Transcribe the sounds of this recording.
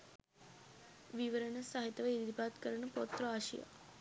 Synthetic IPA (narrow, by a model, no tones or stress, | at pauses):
ʋiʋəɾəɳɐsaɦit̪ɐʋɐid̪ipat̪kəɾɳəpot̪ɾoaʃḭja̰